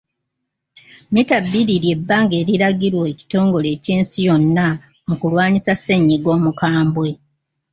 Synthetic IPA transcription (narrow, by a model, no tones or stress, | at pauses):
mitabːiɾiɾje̞bːaːŋɡe̞ːɾiɾaɡiɾwoeci̥to̞ːŋɡo̞le̞ːciːnsijo̞nːa | mukulwaːɲisasːe̞ɲːiɡo̞ːmukaːmbwe̞